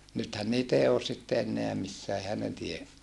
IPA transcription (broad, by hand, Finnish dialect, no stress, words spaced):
nythæn niːt ei oːs sitːe enːeæ misːæː ehæn ne tie